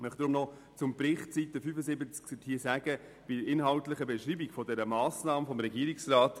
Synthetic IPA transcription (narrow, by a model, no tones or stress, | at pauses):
mœχtd̥ɾʊmnɔ | t͡sʊmpɾɪχtt͡sitəfyfəsɪbət͡sksthiːəsæːɡə | b̥idəɪnɦɑltlɪχəbɛʃɾiːbikfɔdɛɾəmaːsnɑːməfɔmɾɛɡiəɾiksraːt